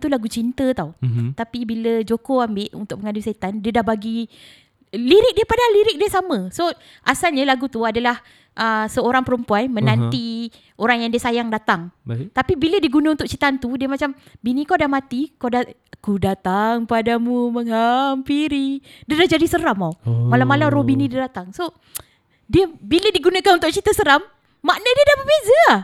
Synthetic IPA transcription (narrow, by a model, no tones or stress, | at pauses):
t̪ulaɡut͡ʃint̪ət̪awt̪apibiləd͡ʒokoambɪʔṵnt̪ʊkʔ̚məŋadisait̪andiədahbaɡi | liɾɪk̚dipadaliɾɪk̚diəsamə̃so | ʔasalɲalaɡut̪uadalah | ʔəsəoɾaŋpəɾəmpuanmə̃nant̪i | oɾaŋjaŋdiəsajaŋdat̪aŋt̪apibilədiɡunãunt̪ʊk̚t͡ʃit̪ant̪udiəmat͡ʃam | binĩkawdahmat̪ikawdaakudat̪aŋpadamuməŋɦampiɾi | diədahd͡ʒadisəɾamawmalamːalamrobinidiədat̪aŋso | diəbilədiɡunakanunt̪ʊʔ̚t͡ʃit̪əsəɾamː | aʔnədiədahbəbeza